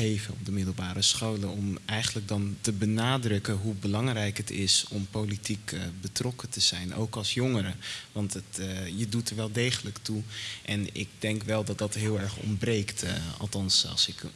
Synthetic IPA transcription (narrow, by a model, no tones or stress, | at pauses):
ejvəɔ̰b̚dəmɪdəlˠbaːɾəsχowlənɔmɛjxχəndlək̚dɑntəbənaːdrɵkəɦubəlɑŋrɛjkɦətɪsɔmpowlitikbətrɔkətəz̥ɛjno̰wkɑlˠsjɔŋəɾəʋɑntətjədutəɹʋɛlˠdejχələktuʔɛnɪ̰ɡ̚dɛŋkʋɛlˠdɑt̚dɑtɦɪːlˠɛɹχɔ̰mbrejktɑ̰lˠtɑnsˠsɪk